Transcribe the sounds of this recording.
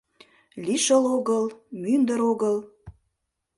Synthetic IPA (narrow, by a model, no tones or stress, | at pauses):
lʲiʃəloɣəlmynd̪əɾoɣəl